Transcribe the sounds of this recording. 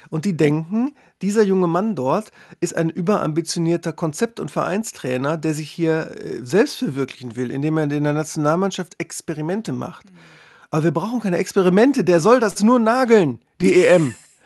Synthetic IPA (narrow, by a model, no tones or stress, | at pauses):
ʔʊnt̚d̥iːdɛŋkŋ̩ | d̥iːzɐjʊŋəmandɔɐtʔɪsta̰ɪnʔyːbɐʔa̰mbit͡sjoniːɐtɐkʰɔnt͡sɛp̚tʊ̰ntfɛɐʔa̰ɪnstʁ̥ɛːnɐdeːɐzɪçhiːɐzɛlpstfɛɐvɪɐklɪçn̩vɪlɪ̰ndeːmeːɐɪndeɐnat͡sjonaːlmanʃaftɛkspɛʁ̞imɛntəma̰χt | ʔaːbɐviːɐbʁaʊx̩kʰaɪnəɛkspɛʁimɛntədeːɐzɔldasnuːɐnaːɡl̩n | d̥iːeʔɛm